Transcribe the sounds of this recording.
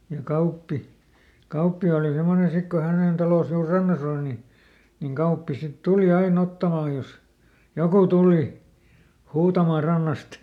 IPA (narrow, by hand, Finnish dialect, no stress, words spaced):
jɑ kɑupːi kɑupːi oˑli semːone sik ko hæneˑn tɑlos juːr rɑnːɑs oˑl ni niŋ ɡ̊ɑupːi sit tuli ɑin otːɑmɑˑj jos jokuˑ tuˑli huːtɑmɑˑ rɑnːɑst